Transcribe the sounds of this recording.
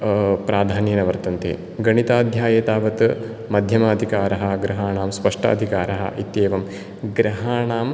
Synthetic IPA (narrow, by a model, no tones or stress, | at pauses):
pɾaːd̪ʱaːnjɐnɐʋɐɾt̪ɐnt̪ḛː | ɡɐɳit̪aːd̪ʱjaːjeːt̪aːʋɐt̪ | mɐd̪ʱjɐmaːd̪ʱikaːɾɐɦɐ̆ɡɾɐɦaːɳaːmspɐʂʈɐ̰ːd̪ʱikaːɾɐɦɐ̰ʔit̪jeːʋɐm | ɡɾɐɦaːɳaːm